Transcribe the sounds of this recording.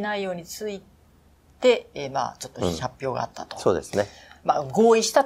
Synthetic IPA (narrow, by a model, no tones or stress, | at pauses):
naijo̞ːɲ̟it͡sɨi | t̪e̞ma̰ːt͡ɕo̞t̪ːohapʲjo̞ːɡa̰at̪ːat̪o̥so̞ːd̪e̞̰sɨne | maɡo̞ːiɕi̥t̪a